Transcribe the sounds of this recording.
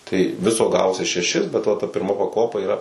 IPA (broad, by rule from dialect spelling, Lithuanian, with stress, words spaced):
tɐɪ ˈʋʲɪsoː ˈɡɑːʋoːsʲɪ ʃʲɛˈʃʲɪs bʲɛt ʋɐ tɐ pʲɪrˈmɐ pɐˈkoːpɐ iːˈrɐ